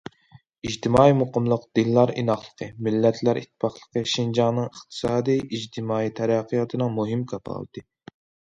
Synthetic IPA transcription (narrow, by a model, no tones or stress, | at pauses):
iʒt̪ʰɪmɑːimoqʰəmlˠəqd̪̥inːˠɑɾḭnɑχlˠə̥qʰəmɪlːɛt̪ʰlæɾʔḭt̪ʰːɪ̥pʰɑχlˠəqəʃind͡ʒɑŋnɨŋəχt̪ʰɨ̥sɑːd̪ijʔid͡ʒt̪ʰɪmɑːit̪ʰɛɾɛqʰːɨjɑt̪ʰɨnɨŋmuɦɨmkʰɑpʰɑ̰lˠɨ̰t̪ʰɨ